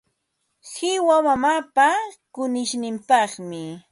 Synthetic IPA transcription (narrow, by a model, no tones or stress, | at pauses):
sɪwamamapakʊnɪʃnɪmpɑχmɪ